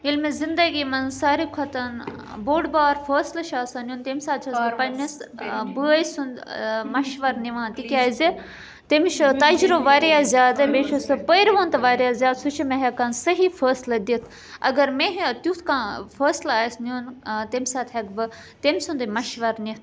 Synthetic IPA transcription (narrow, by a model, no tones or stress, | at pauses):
ilmẽzind̪ɐɡiːmɐnsaːɾikʰɐt̪ɐn | boːɖbaːɾfʰəːslɐʃaːsanʲuːnt̪emʲsaːt̪ʰɐspɐnɐsbɨisund̪mɐʃʋɐɾniʋãːt̪ikʲaːze | t̪emʃt̪ɐd͡ʒɾoʋaːɾiaːzʲjaːd̪ɨbeːʃosɨpəjɾʋoːnt̪ɐʋaːɾjaːzʲjaːd̪sut͡ʃʰimẽɦɐkansɐɦifʰəːslɐd̪it̪ʰ | ɐ̰ɡɐɾmeɦt̪ut̪ʰkãːfʰəːslaːjsnʲunt̪emsaːt̪ʰɦɐkbɨ | t̪emsund̪ɨmɐʃʋɐɾnit̪